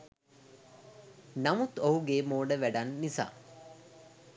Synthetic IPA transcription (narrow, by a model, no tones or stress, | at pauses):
namut̪oɦuɡeːmoːɖəʋæɖanːisa̰ː